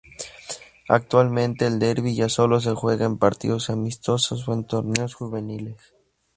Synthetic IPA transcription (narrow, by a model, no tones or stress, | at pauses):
a̰k̚t̪walmẽ̞nt̪e̞ːld̪eɾβiʝaso̞lo̞s̬e̞xwe̞ɣaempaɾt̪ḭðo̞samist̪o̞sos̬went̪o̞ɾneosxuβe̞niles